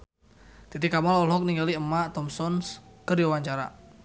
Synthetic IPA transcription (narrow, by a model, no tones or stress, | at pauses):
t̪it̪̬ikamɔlɔlɦɔk̚niŋɡaliəmːat̪ɔmsɔnskərdiwawaɲt͡ʃaɾa̰